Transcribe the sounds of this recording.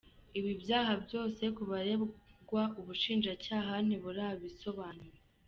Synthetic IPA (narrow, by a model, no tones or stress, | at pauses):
iβibjaːɦabjo̞ːse̞kuβaɾeɡwaʔuβuʃiːnd͡ʒacaːɦan̥iβuɾaːβiso̞βaːnuɾe